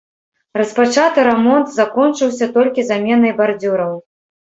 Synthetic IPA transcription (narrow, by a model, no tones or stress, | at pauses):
rɐspat͡ʂat̪ɨɾɛmɔnt̪zakɔnt͡ʂɨwsʲɐt̪ɔlʲkʲizamʲɛnɐjbard͡zʲuɾɐw